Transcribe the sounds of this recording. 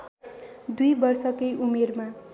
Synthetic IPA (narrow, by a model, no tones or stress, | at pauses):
d̪ujbʌrsʌkʌjʔumerma